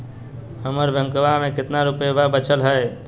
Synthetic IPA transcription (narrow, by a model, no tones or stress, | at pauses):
həməɾbʱjə̃ŋkəbamẽkɪt̪naɾʊpəjbabət͡ʃʰəlɦəe